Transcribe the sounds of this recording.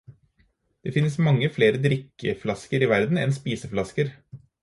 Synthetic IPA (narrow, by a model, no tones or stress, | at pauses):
d̪̥eːfɪnːəsmɑŋːəfleːɾəd̪ɾɪkːəflɑskəɾiːʋæɾd̪n̩ɛ̰nspiːsəflɑskəɾ